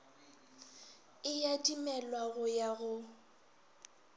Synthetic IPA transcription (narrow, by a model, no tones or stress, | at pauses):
ɪjadʼimɛlwaɣʊjaɣʊ